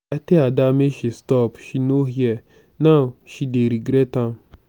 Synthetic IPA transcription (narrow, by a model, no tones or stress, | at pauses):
ateadameʃistɔpʃinoɦiɛ | nawʃideɾiɡɾɛtãm